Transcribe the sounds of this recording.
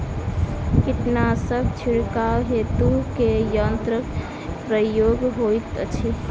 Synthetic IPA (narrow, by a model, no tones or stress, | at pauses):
kit̪nasəb̚ʱt͡ʃʰiɽkaɦet̪ukejənt̪ɾək | pɾəjoɡɦojt̪ət͡ʃʰi